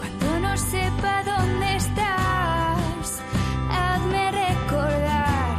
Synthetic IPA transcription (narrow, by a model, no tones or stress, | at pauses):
kwand̪onõsɛpaðond̪est̪a | s | ɛðmerekoɾðaɾ